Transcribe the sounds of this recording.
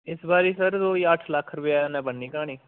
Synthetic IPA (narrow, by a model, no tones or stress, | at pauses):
ɪsbaːɾiːsəɾd̪oːiːəʈʰləkʰɾʊpɪjaːnɛ̃ːbənːiːkaːɽ̃iː